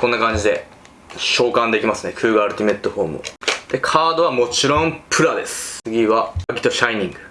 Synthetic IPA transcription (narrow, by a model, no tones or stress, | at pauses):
kõnːakãɲ̟d͡ʑid̪e̞ | ɕo̞ːkãnd̪e̞kʲimasɨnekʰɯ̟ːɡɯaɾɯ̟t̪ʲime̞t̪ːoho̞ːmɯ̰d̪̥e̞kʰaːd̪o̞β̞amo̞t͡ɕiɾõ̞mpʰɯ̟ɾad̪e̞sɨ̥ɨɡʲiβaaɡʲi̥t̪o̞ɕaiɲ̟ĩŋɡɯ̟